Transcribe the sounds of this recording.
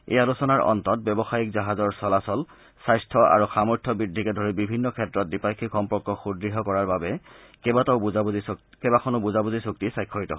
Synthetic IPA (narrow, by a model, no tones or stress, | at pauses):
ḛjalusɔnaɹɔ̰ntɔt̚bɛbɔxajik̚zaɦazɔɹsɔlasɔl | sajstʰɔa̰ɹuxamɔɹtʰɔbɹidʱːikɛdʱɔɹibibʱinːɔkʰɛtɹɔt̚dipakʰːixɔmpɔɹkːɔxudɹiɦɔkɔɹaɹbabɛ | kɛbatɔʊbuza | kɛbakʰɔnʊbuzabuzisuktisajkʰːɔɹitɔ̰ɦ